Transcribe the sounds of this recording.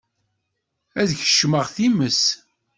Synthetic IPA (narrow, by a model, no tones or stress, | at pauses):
æðçə̥ʃməʁθiməs